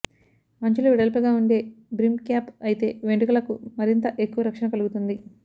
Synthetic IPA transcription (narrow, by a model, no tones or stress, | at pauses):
mɐɲt͡ʃuluʋiɽɐlpɐɡaːuɳɖe̞ːbɾimkjaːpɐjit̪e̞̰ːʋeɳɖikɐlɐkumɐɾint̪ɐʔe̞kːuʋɐɾɐkʂɐɳɐkɐluɡut̪und̪i